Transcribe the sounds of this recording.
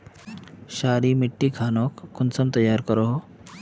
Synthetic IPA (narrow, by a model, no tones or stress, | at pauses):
ɕaɾiːmiʈːiːkʰanokːunt͡səmt̪əjːaɾkəɾo